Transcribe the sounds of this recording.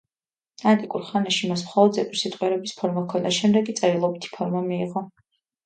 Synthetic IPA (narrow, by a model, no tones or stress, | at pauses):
ant̪ʼikʼuɾχanaʃimasmχɔlˠɔd̪zɛp̪ʼiɾsit̪ʼqʼwɛɾɛbispʰɔɾmakʰɔnaʃɛmd̪ɛɡit̪sʼɛɾilˠɔbit̪ʰi̥pʰɔɾmamiːʁɔ